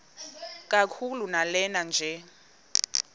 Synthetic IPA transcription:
kʼakʰulunalɛnand͡ʒʱɛ

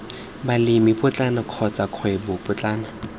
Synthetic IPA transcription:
balɪmipʊt͡ɬʼanakʰɔt͡sʼaq͡χʰwebʊpʼʊt͡ɬʼaːna

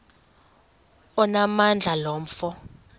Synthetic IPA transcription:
ɔnamand͡ɮʱalɔm̩fɔ

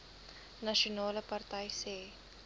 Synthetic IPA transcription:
naʃionɑːləpart̪ɐjseː

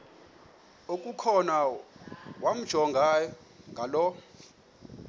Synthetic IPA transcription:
okʼukʰɔna | wam̩d̥ʒ̥ʱɔŋɡʱaj | ŋɡʱalɔ

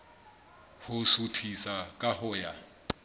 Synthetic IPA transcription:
hʊsutʰisakʼaɦʊja

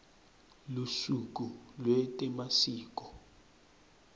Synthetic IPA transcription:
lusuk̬ʼulwɛtʼɛmasiːkʼɔ

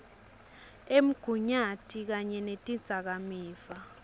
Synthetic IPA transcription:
em̩ɡ̥ʱuɲatʼik̬aɲɛnetʼi̥z̥ʱak̬amiːfa

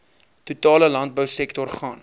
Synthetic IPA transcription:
tutɑːləlɐnt̚bəwsɛktɔrχɑːn

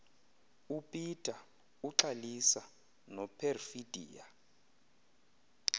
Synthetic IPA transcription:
upʼitʼa | uǃalisa | nɔpʰerfid̥ʱḭːa

